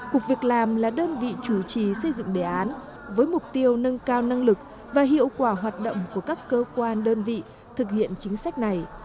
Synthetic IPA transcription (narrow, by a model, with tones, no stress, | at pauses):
ku˨˩k̚vi˨˩ək̚laː˨˩mlaː˨˩ɗəː˧nvḭ˧˨t͡ɕu˧˩t͡ɕi˨˩sə˧jzɨ̰˧˨ŋɗe˧˩ʔaː˨˦n | vəː˨˦jmʊ˨˩k͡p̚t̪i˧əwnə˧nkaː˧wna˧ŋlɨ˨˩k̚ | vaː˨˩ɦḭ˧˨əwkwaː˧˩ɦwaː˨˩t̚ɗo̰˧˨wŋ͡mku˧˩əkaː˦˥kːəː˧kwaː˧nɗəː˧nvḭ˧˨ | t̪ʰɨ˨˩k̚hḭ˧˨ənt͡ɕï˨˦ŋ̟sa˦˥jk̟̚na˨˩j